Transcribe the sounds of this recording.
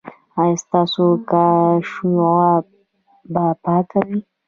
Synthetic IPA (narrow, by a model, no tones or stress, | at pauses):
ajst̪ɑsokaʃujɣa | bapakawi